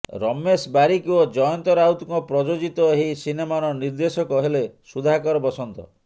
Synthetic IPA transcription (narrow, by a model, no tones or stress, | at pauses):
ɾɔmːesbaɾikiod͡ʒɔjɔnt̪ɔɾawt̪kɔpɾɔd͡ʒod͡ʒit̪ɔɦejsinemaɾɔniɾd̪esɔkɔɦelesud̪ʱakɔɾɔbɔsɔnt̪ɔ̰